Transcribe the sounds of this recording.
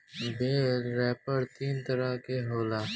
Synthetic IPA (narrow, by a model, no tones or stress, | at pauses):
beːlɾɛːpəɾt̪iːnt̪ɐɾakeɦoːlaː